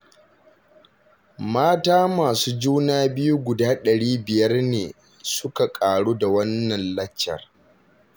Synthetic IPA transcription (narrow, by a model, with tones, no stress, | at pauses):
maː˦taː˦maː˨suː˦d͡ʒuː˦naː˦bɪ˦ju˦ɡʷʊ˨daː˦ɗɐ˨ɽiː˦bɪ˨jɐ˦rneː˨ | sʊ˦ka˨kʼaː˨ɽuː˦da˨wɐ˦nːɐ˨nlɐ˦t͡ʃːɐ̰˨r